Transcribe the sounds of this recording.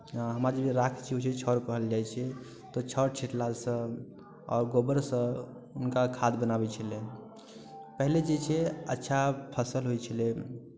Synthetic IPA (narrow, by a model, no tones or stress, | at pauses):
ɦəmɾad͡ʒəbʱiɾakʰt͡ʃʰiɦot͡ʃʰɛt͡ʃʰɔɾkəɦəld͡ʒajt͡ʃʰɛ | t̪ɔt͡ʃʰəɽt͡ʃʰiʈlasə̃ | ɔ̰ːɾɡobəɾsə̃ | unkakʰad̪bənabɛt͡ʃʰəle | pəɦiled͡ʒet͡ʃʰɛətːʃʰapʰəsəlɦojt͡ʃʰəle